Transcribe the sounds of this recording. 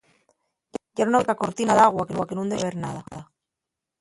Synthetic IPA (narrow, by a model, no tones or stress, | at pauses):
ʝanunaβekako̞ɾt̪inaðaɣwakewakenũnd̪eβeɾnaða